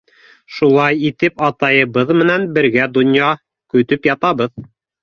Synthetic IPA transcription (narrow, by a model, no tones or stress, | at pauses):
ʃulˠɑjit̪ɘpɑt̪ɑjɤ̆βɤðmɘ̆nænbɘ̆ɾɡæd̪ŏnjɑ | kɵ̆t̪ɵpjɑt̪ɑβɤð